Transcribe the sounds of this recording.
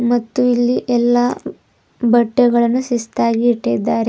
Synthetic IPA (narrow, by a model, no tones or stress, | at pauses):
mɐt̪ːuilːiʔɛlːa | bɐʈːɛɡɐɭɐnːusist̪aːɡiːʈːid̪ːaːɾe